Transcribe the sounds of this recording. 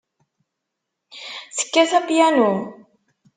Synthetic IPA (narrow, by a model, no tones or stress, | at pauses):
θə̥kːæθæpjænu